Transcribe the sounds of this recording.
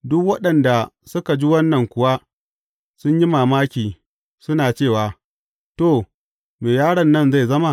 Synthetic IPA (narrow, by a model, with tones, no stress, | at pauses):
dʊ˦kwɐ˦ɗɐ˨nda˨sʊ˦ka˨d͡ʒi˦wɐ˦nːɐ˨ŋkʷʊ˨wa˦ | sʊ˦ɲji˦maː˨maː˦kʲiː˨ | sʊ˦naː˨t͡ʃeː˦˨waː˨ | toː˦˨ | meː˨jaː˦ɽɐ˨nːɐ˦˨nza˦˨jzɐ˦ma˦